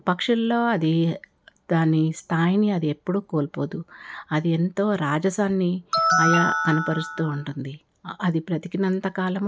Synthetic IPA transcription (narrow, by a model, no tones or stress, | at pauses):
pɐkʂulːo̞ːɐd̪i | d̪aːnist̪ʰaːjniɐd̪ie̞pːuɽuːkoːlpo̞ːd̪uɐd̪ie̞nt̪o̞ːɾaːd͡ʒɐsaːnːiɐjakɐnɐpɐɾust̪uːuɳʈund̪i | ɐd̪ipɾɐt̪ikinɐnt̪ɐkaːlɐm